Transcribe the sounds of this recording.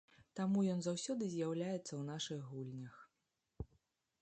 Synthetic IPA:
t̪amujɔnzawsʲɔd̪ɨzʲjawlʲajɛt̪sːɐwnaʂɨɣɣulʲnʲɐx

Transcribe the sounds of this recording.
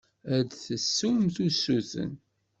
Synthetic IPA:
æd̪θəsːumθusːuθə̰n

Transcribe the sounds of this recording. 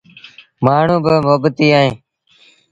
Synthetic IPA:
maːɳ̤ũːbəmoːbət̪iːaːɦẽː

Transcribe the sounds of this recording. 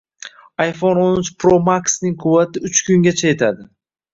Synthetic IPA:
ajfononɪt͡ʃpɾomaksnɪŋqʰʊvːat̪ʰɪʊt͡ʃkʲʊŋɡʲat͡ʃʰaje̞t̪ʰad̪ɪ

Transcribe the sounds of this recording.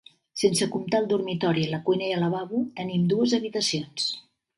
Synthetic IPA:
sensəkumt̪alˠd̪urmit̪ɔɾiələkuijnəiələβaβut̪ənimd̪uəzəβit̪əsions

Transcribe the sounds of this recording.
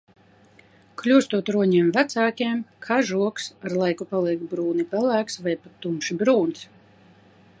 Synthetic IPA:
klʲuːst̪uɔt̪ɾuɔɲɛɛmvæt̪saːkʲiɛmkʰaʒuɔksaɾlˠajkupalˠiɛkbɾuːnipælæːksvajpat̪ːumpʃibɾuːns

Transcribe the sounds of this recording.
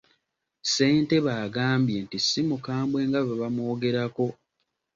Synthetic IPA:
se̞ːnte̞βaːɡaːmbjentisːimukaːmbwe̞ːŋɡaβaβamwo̞ːɡe̞ɾako̞

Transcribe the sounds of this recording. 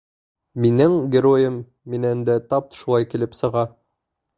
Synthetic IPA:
minɘŋɡʲɪɾojɘmː | inænd̪æt̪ɑp̪̚ʃulˠɑjkilɘpsɤ̆ʁɑ

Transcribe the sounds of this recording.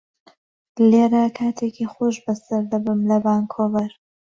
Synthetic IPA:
leɾakʰaːt̪ʰekʰixoːʃbɐsɐɾd̪ɐbɨmlɐbaːŋkʰoːvɐɾ

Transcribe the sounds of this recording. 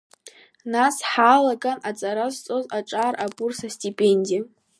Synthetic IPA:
nasħalakʼanat͡sʼaɾazt͡sʼozaʈ͡ʂʼaːrʔabʼursastʼipʼe̞nʲdija

